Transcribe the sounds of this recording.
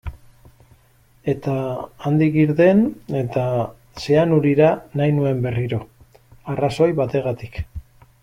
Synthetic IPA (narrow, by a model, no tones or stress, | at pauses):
e̞t̪aːnd̪ikiɾðe̞ne̞t̪a | se̞anuɾiɾanajnue̞mbe̞riɾo̞ | araso̞jβat̪e̞ɣat̪i̥k